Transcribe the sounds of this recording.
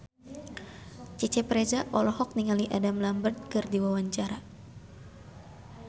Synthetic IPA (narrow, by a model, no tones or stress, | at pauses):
t͡ʃɛt͡ʃɛpɾed͡ʒaʔɔlɔhɔk̚niŋaliʔadamlambərd̪̚kɨrdiwawaɲt͡ʃaɾa